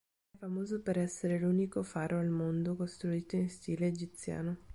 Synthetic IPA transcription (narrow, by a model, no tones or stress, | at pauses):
ɛfamoːzopeɾɛsːeɾeluːnikofaːɾʔoalmond̪okost̪ɾuiːt̪oinst̪iːleːd͡ʒit̪sja̰ːno